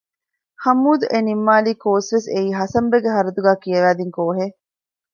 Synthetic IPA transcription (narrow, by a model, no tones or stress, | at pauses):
hɐmːuːd̪uʔenimːaːliːkoːsʋeseiːɦɐsɐmbeɡeɦɐɾɐd̪uɡæːkiɐʋæːd̪iŋkoːɦe